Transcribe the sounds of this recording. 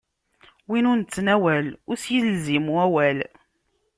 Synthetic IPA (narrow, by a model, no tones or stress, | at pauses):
winʊnt͡sːnæwælʊɾsjilzimuæwæl